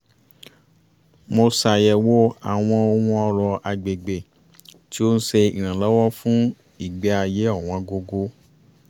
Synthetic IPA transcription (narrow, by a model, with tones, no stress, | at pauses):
mo˧sa˧jɛ˧wo˦a̰˨w̃ɔ̃˧o˧w̃ɔ̃˦ɔ˧ɾɔ˧a˧ɡ͡be˨ɡ͡be˨ | ti˦o˦n̩˦se˧ḭ˨ɾ̃ã˨lɔ˨˦wɔ˦fũ˦ | i˨ɡ͡bɛ˨˧˦a˧˨je˨˦ɔ˦˨w̃ɔ̃˧ɡo˧ɡo˧˦